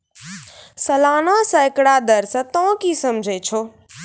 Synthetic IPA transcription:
sɐlaːnasə̃ɪkɽad̪əɾsə̃t̪ɔ̃kisɐmd͡ʒʱet͡ʃʰoː

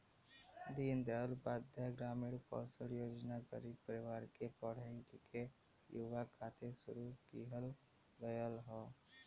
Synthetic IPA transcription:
d̪iːnd̪elbaːd̪ʱjəɡɾaːmiːɽkɔ̰ːsəljoːd͡ʒnakə̰ɾipəɾɪʋaːɾkepɔɽ̤ə̃kke | juʋakʰaːt̪esʊ̰ɾukiːɦəl | ʋəjəlɦoː

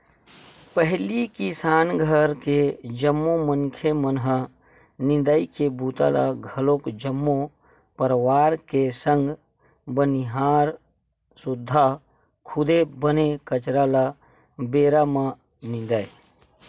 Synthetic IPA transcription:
pəɦlikisaːnɡʱəɾked͡ʒəmːomənkʰemənɦə | nɪ̃d̪aikebut̪a̰la̰ɡʱəlokd͡ʒəmːo | pəɾʋaːɾkesə̃ŋɡ | bəniɦaːɾ | sʊd̪ʱːa | kʰʊd̪ebənekət͡ʃɾala | beːɾamə | nɪ̃nd̪ai

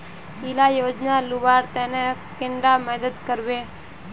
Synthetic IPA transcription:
ilaːjoːd͡ʒnaluʋaːɾt̪enekiɳɖamɛd̪ɐd̪kɐɾʋe

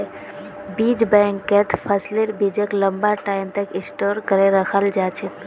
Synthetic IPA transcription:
bid͡ʒbɛŋkːɛt̪pʰəsleɾbid͡ʒekləmbaʈajmt̪ekĩsʈoɾkəɾeɾəkʰəld͡ʒat͡ʃʰɛ

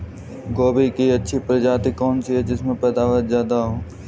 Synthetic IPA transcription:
ɡoːbikiɐtːʃʰipɾɐd͡ʒaːt̪ikːɔːnt͡ʃʰiɦɛd͡ʒɪsmẽpɛːd̪aːʋət̪zjaːd̪aɦũː

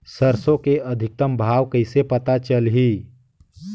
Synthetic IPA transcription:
səɾsõkeɐd̪ʱɪk̚t̪əmbʱaːʋkəɪsepət̪at͡ʃəlɦiː

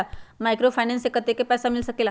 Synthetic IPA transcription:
amajkɾofajnensekat̪ekepɛsamilsəkela

